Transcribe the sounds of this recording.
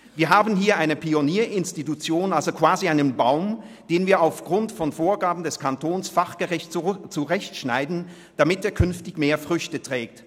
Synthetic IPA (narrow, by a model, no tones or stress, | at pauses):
viːɐɦaːbn̩ɦiːɐʔaɪnəpʰioniːɐʔɪnstitut͡sjoːnalzokv̥aːziaɪnənbaʊm | d̥eːnviːɐaʊfɡ̥ʁʊntfɔnfoːɐɡaːbm̩dɛskʰantoːnsfaχɡ̥əʁɪçtt͡suʁɛçtʃnaɪdn̩ | d̥amɪtdeːɐkʰʏnftɪçmeːɐfʁ̥ʏçtətʁ̥ɛːk̚t